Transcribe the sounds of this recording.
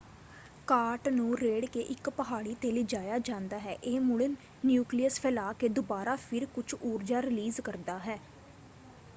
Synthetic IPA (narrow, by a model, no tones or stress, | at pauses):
kaːɾʈnũːɾeːɽkeːʔɪkpəɦaːɽiːt̪eːlɪd͡ʒaːjaːd͡ʒãːnd̪aːɦɛːʔeːmʊɽənː | juːklijəspʰɛlaːkeːd̪ʊbaːɾaːpʰɪɾkʊt͡ʃʰoːɾd͡ʒaːɾɪliːzkəɾd̪aːɦɛː